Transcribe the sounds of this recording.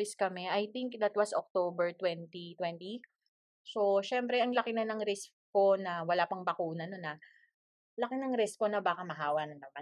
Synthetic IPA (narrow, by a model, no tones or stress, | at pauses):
ɪskɐmɛʔɐjt̪ɪŋk̚d̪ɐt̪̚wɐso̰k̚t̪obɛɹt̪wɛnt̪it̪wɛnt̪i | soʃɛmpɾɛʔɐŋlɐkɪnɐnɐŋɾɪskko̞nɐwɐlaːpɐŋbɐkuːnɐnonːɐ | lɐkɪnɐŋɾɪskonɐbaːkɐmɐɦaːwɐnɐnːɐma